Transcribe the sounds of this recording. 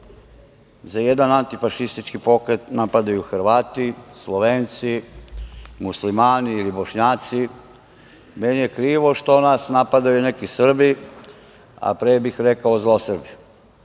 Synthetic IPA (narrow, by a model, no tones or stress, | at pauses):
zajed̪anant̪ifaʃist̪it͡ʃkipo̞kɾe̞t̪napad̪ajuxr̩ʋaːt̪islˠoʋeːnt̪si | muslimaːniilibo̞ʃɲaːt̪si | menije̞kɾiːʋo̞ʃt̪o̞nasnapad̪ajune̞kisr̩bi | a̰pɾeːbixɾekaozlˠosrbi